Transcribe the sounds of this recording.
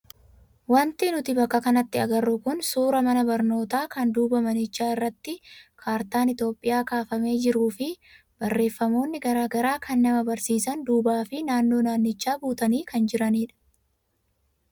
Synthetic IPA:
wɐnt̪ɪnʊt̪ɪbɐkːɐkɐnɐt̪ːɪɐɡɐrːʊkʊnsuːɾɐmɐnɐbɐɾno̞ːt̪aːkɐnd̪uːbɐmɐnɪt͡ʃːaːɪrːɐt̪ːɪkʰaːɾt̪aːnɪt̪jo̞ːpʼːɪjaːkaːfɐme̞ːd͡ʒɪɾuːfɪ | b̥ɐrːe̞ːfːɐmo̞ːnːɪɡɐɾaːɡɐɾaːkʰɐnːɐmɐbɐɾsiːsɐnd̪uːbaːfɪnaːnːo̞ːnaːnːɪt͡ʃːaːbuːt̪ɐniːkɐnd͡ʒɪɾɐniːᶑɐ̥

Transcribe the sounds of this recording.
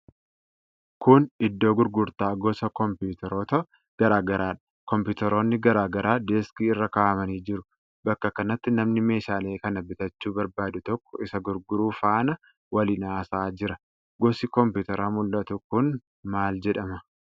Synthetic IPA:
kʊnɪd̪ːo̞ːɡʊɾɡʊɾt̪aːɡɔsɐkɔmpuːt̪ɛɾoːt̪ɐ | ɡ̥ɐɾaːɡɐɾaːᶑɐ̥ | kɔmpuːt̪ɛɾo̞ːnːɪɡɐɾaːɡɐɾʔaːd̪eːskiɪrːɐkaːʔɐmɐniːd͡ʒɪɾʊ | bɐkːɐkɐnɐt̪ːɪnɐmnɪme̞ːʃaːle̞ːkɐnɐbɪt̪ɐt͡ʃːuːbɐɾbaːd̪ʊt̪ɔkːɔɪsɐɡʊɾɡʊɾuːfaːnɐ | wɐlɪnaːsaːd͡ʒɪɾɐ | ɡɔsɪkɔmpuːt̪ɛɾaːmʊlːɐt̪ʊkʊn | maːld͡ʒɛᶑɐmɐ

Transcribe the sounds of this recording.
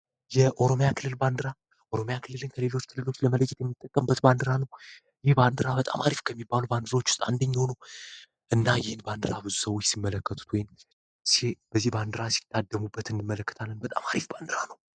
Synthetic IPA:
jɛʔo̞ɾo̞mjakʰɨlːɨlband̪ɨɾa | ʔoɾo̞mjakʰɨlːɨlɨnkʰəlelo̞t͡ʃːkʰɨlːɨlo̞t͡ʃːləmələd͡ʒːɛt̪jɛmːit̪ʼːəkʼːəmbːət̪band̪ɨɾanəw | jɪhband̪ɨɾabət̪ʼa̰maɾifkʰəmːibːaluband̪ɨɾao̞t͡ʃːwʊst̪ʼa̰nd̪əɲːonəw | ʔɨnːajɪhɨnband̪ɨɾabɨzusəwo̞t͡ʃːsimːələkːət̪ʰʼu̥t̪wɔjn | seb̥əzːihband̪ɨɾasi̥t̪ʰːad̪ːəmubːət̪ɨnimːələkːə̥t̪ʰalːənbət̪ʼa̰maɾifband̪ɨɾanəw

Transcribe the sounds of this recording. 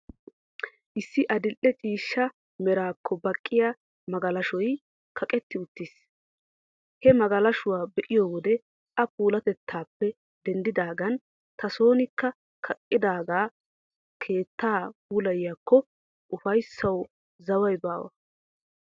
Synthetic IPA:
ʔɪsːɪʔɐd̪ɪlʔːɛt͡ʃʼiːʃːɐ | mɛɾaːkʰːɔbɐkʼːɪja | mɐɡɐlɐʃɔj | kʰɐkʼɛt̪ːɪʊt̪ːis | hɛmɐɡɐlɐʃʊwaːbɛʔɪjoːwɔd̪ɛ | ɐpuːlɐt̪ɛt̪ʰːaːpːɛ | d̪ɛnd̪ɪd̪aːɡɐn | t̪ʰɐso̞ːnɪkːɐ | kʰɐkʼːɪd̪aːɡaː | kʰe̞ːt̪ːaːpuːlɐjjakʰːɔ | ʔʊfɐjsːɐw | zɐwɐjbaːwɐ̰

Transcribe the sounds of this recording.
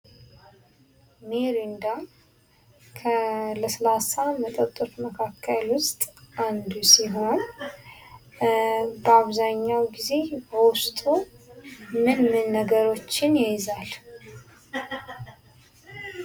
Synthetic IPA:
meɾind̪a | kʰələsəlasamət̪ʼət̪ʼːɨt̪məkʰakʰːəlwʊst̪ʼand̪usiɦo̞n | bəaβzaɲːawɡize̞bəwʊst̪ʼu | mɨnmɨnːəɡəɾo̞t͡ʃːɪnjezal

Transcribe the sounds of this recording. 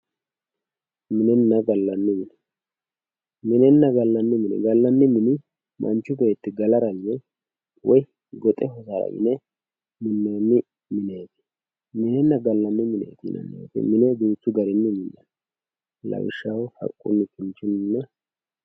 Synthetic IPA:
mɪnɛnːɐɡɐlːɐnːɪmɪnɛ | mɪnɛnːɐɡɐlːɐnːɪmɪnɛ̰ɡɐlːɐnːɪmɪnɪ | mʔɐ̰nt͡ʃːʊbɛjːt̪ːɪɡɐlɐɾɐmɪnɛ | wɔj | ɡɔt̪ʼɛɦɔsaɾɐ̰mɪ̰nɛ | mɪnːenːɪ | mɪneːt̪ɪ̥n | mɪnɛnːɐɡɐlːɐnːɪmɪnḛːt̪ɪnʔɐ̰nːḛːt̪ɪ̰mɪnɛd̪uːt͡sːʊɡɐɾɪnːɪmɪnːɐ̰n | lɐ̰wɪ̰ʃːɐwhɐ̰kʼːʊ̰nːɪkʰɪnt͡ʃːʊnɪnːɐ

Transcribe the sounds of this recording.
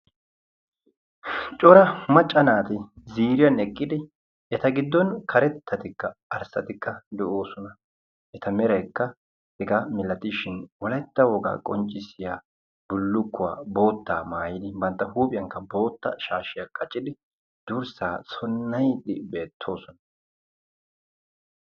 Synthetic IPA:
t͡ʃʼɔɾɐmɐt͡ʃʼːɐnaːt̪ɪziːɾɪjɐnɛkʼːɪd̪ɪ | ɛt̪ɐɡɪd̪ːɔnkʰɐɾɛt̪ʰːɐt̪ɪkːɐɐɾsɐt̪ɪkːɐd̪ɛʔo̞ːsɔnɐ | ʔɛt̪ɐmɛɾɐjkːɐ | hɛɡamɪlɐt̪ɪʃɪnwɔlɐjt̪ːɐwɔɡa̰ːkʼɔnt͡ʃʼːɪsɪjaː | bʊlːʊkːʊwa̰ːbo̞ːt̪ːaːmaːjɪd̪ɪbɐnt̪ːɐɦuːpʼɪjɐŋkːɐbo̞ːt̪ːɐ̰ʃaːʃɪjɐkʰɐt͡ʃʼːɪd̪ɪ | d̪̥uːɾsaːsɔnːɐjd̪ɪbe̞ːt̪ʰːo̞ːsɔnɐ̥

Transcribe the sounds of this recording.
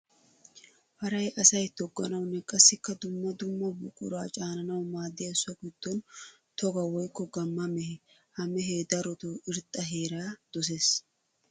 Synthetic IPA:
hɐɾɐjɐsɐjt̪ɔɡːɐnɐwnːɛkʼɐsːɪkːɐd̪ʊmːɐd̪ʊmːɐbʊ̰kʼʊ̰ɾaːt͡ʃʼaːnɐnɐwmaːd̪ːɪjɐsɔkɪd̪̥ːɔn | t̪ɔɡɐwɔjkːɔɡɐmːɐmɛhɛ | hɐmɛɦeːd̪ɐɾɔt̪ɔɪɾt̪ʼːɐɦe̞ːɾaːd̪̥ɔs̬es

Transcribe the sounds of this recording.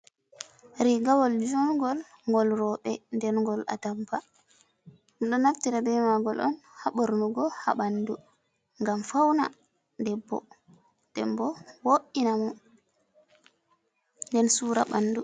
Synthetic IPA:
ɾiɡawɔld͡ʒɔnɡɔl | ŋɡɔlɾɔɓɛndɛnŋɡɔla̰tampa | nɗɔnaftiɾabɛmaɡɔlʔɔ̰nhaɓoɾnuɡɔha̰ɓandu | ŋɡamfawna̰ | dɛbːɔ̰ | d̥ɛmbɔwoʔinamɔ | ndɛnsuːɾa̰ɓanːdu

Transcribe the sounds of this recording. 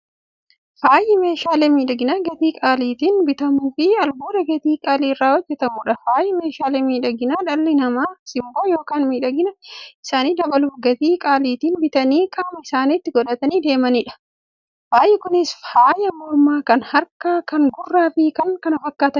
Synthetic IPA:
faːjɪme̞ːʃaːleːmiːᶑɐɡɪnaːɡɐt̪iːkʼaːliːt̪iːnbɪt̪ɐmuːfɪɐlbuːɾɐɡɐt̪iːkʼaːliːɪrːaːwɔd͡ʒːɛt̪ɐmʊᶑɐfaːjɪme̞ːʃaːleːmiːᶑɐɡɪnaːᶑɐlːɪnɐmaːsɪmboːjo̞ːkaːnmiːᶑɐɡɪnɐɪsaːniːd̪ɐbɐlʊfɡɐt̪iːkʼaːliːt̪iːnbɪt̪ɐniːkʼaːmɐɪsaːniːt̪ːɪɡɔᶑɐt̪ɐniːd̪e̞ːmɐniːᶑɐ̥ | faːjɛkʊnɪshaːjɐmɔɾmaːkɐnhɐɾkɐkɐŋɡʊrːaːfɪkɐŋkɐnɐfɐkːaːt̪ɐn

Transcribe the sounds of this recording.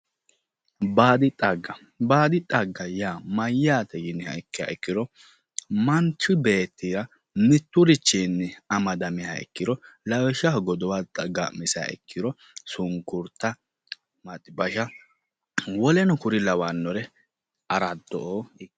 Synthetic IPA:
baːd̪ɪt̪ʼɐɡɐ | baːd̪ɪt̪ʼɐɡːɐjaːmɐjːaːt̪ʰɛjɪnːɪhɐ̰ɛkːɪja̰ɛkːɪɾɔ | mɐnt͡ʃːʊbe̞ːt̪ːiɾɐ | mɪt̪ːʊɾɪt͡ʃːinːɛɐmɐd̪ɐmɪha̰ɛ̰kːɪɾɔlɐwɛʃahɡɔd̪ɔwat̪ʼɐɡaʔmɪsa̰a̰ɛ̰kʰːɪɾɔ | sʊŋkːʊɾt̪ːɐ | mɐt̪ʼɪbɐʃɐ | wɔlɛnɔkʊɾɪlɐwanːɔɾɛ | ɐɾɐd̪ːɔʔoː

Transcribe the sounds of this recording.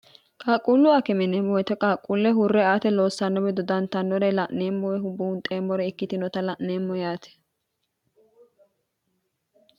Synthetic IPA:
kʼaːkʼulːʊakɛmɛnɛmɔjɛt̪ɛkʼaːkʼːulːɛɦʊrːɛaːt̪ɛlo̞ːsːɐnːɔbɛd̪ɔd̪ɐnt̪ɐnːɔɾɛlɐʔneːmːɔwɛɦʊbːʊʊnt̪ʼeːmːɔɾɛɪkːɪt̪ɪnɔt̪ɐlɐʔneːmːɔjaːt̪ʰɛ̥

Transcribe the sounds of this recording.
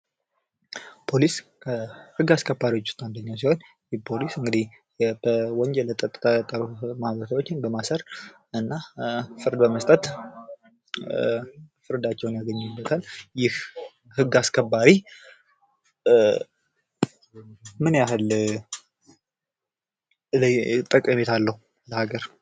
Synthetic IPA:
pʰo̞liskʰəhɨɡːaskʰəbːaɾiwot͡ʃːu̥st̪and̪əɲːaws̬iho̞n | jpʰo̞lisɨŋɡɨd̪ih | b̥əwɔɲd͡ʒɛlːət̪ʼət̪ʼɨt̪ʰat̪ʼəɾumahβəɾt̪ʰawot͡ʃːɪnbəmasəɾ | ɨnːafɨɾd̪bəməst̪ʼət̪ | fɨɾd̪at͡ʃːɛwnjaɡəɲːɪbːət̪ʰaljɪh | hɨɡːaskʰəbːaɾi | mɨnjahɨl | t̪ʼːəkʼːəmet̪ʰalːəhu | ləhaɡəɾ

